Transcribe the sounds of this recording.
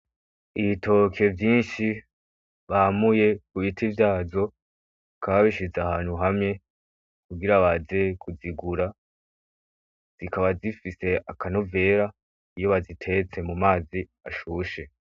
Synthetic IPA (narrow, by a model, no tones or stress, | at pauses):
iβitʰo̞ke̞vjiːnʃi | βamuje̞kuβitʰivjaːzo̞ | kʰaβaβiʃizaɦaːnhuɦamŋe̞ | kuɡiɾaβaze̞kuziɡuɾa | z̥ikaβazifise̞akano̞ve̞ɾa | ijo̞βazitʰe̞t͡se̞mumaːzi | aʃuːʃe̞